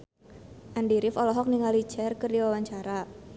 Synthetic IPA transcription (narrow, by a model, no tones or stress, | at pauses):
ʔandiɾɪfɔlɔɦɔk̚niŋali̥d͡ʒɛrkɨrdiwawaɲt͡ʃaɾa